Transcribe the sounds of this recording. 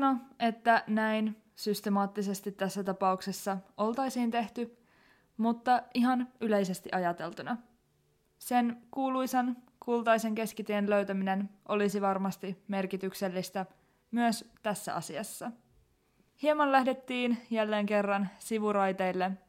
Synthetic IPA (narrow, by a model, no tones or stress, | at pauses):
no̞e̞t̪ːænæjn | syst̪emɑːt̪ːise̞st̪it̪ːæsːæt̪ɑpɑukse̞sːɑo̞lt̪ɑjsiːnt̪e̞ht̪y | mut̪ːɑiɦɑnyle̞jse̞st̪iʔɑjɑt̪e̞lt̪unɑ | se̞nkuːlujsɑn | kult̪ɑjse̞ŋke̞skit̪ienlø̞ɥt̪æmine̞nʔo̞lisiʋɑrmɑst̪ime̞rkit̪ykse̞lːist̪æ | myøst̪æsːæ̰ɑ̰siɑsːɑ | hiemɑnlæhde̞t̪ːiːnjælːe̞ːŋke̞rːɑnsiʋuɾɑjt̪e̞jlːe̞